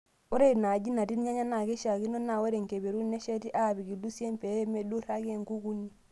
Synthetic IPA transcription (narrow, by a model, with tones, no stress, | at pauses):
o˦ɾe˦˨na˨ɟi˦na˨ti˦n˦ɲa˦ɲa˦na˨ke˦ʃa˨ki˦no˦na˨we˦ɾe˨ŋke˨be˨ɾu˦ne˦ʃɛ˦ti˦ʔa˦˨bi˨ki˨du˦se˦mpe˨e˦me˦du˦ɾa˦ke˨ŋku˦ku˦nːi˦